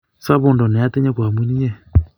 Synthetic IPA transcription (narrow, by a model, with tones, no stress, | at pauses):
sa˦βʊ˨ndɔ˨nɛ˨a˦tɛ˦ɲɛ˦kwa˨mi˦ni˦ɛ˦˨